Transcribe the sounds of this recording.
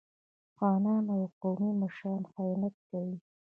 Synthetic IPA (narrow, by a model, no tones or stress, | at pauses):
xɑnɑnawqowmimaʃɾɑnxajɑnat̪̚kawi